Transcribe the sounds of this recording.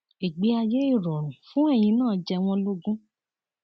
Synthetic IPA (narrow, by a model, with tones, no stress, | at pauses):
i˨ɡ͡be˧a˧je˦i˦˨ɾɔ˨ɾ̃ũ˨fũ˦ɛ˦˨j̃ĩ˧nãː˦˨˦d͡ʒɛ˧w̃ɔ̃˧lo˦ɡũ˦